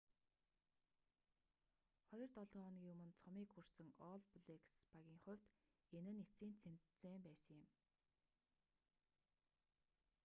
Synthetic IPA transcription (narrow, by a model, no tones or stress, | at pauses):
χɔjɞ̆rt̪ɔɮʁɔːɔn̆kjɵmɵ̆nt͡sʰɔmiːkxur̥t͡sɘ̆ŋɔːɮpɮekspaɣʲiːŋχʊ̟w̥ʲt̪ | enɘ̆net͡siːnt͡sʰen̥t̪t͡seːmpæːsə̆ŋjɪ̆m